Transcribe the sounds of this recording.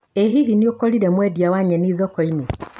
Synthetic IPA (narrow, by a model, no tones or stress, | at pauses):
eɦiɦiniokɔɾiɾɛmwɛdiawaɲɛniðɔkɔine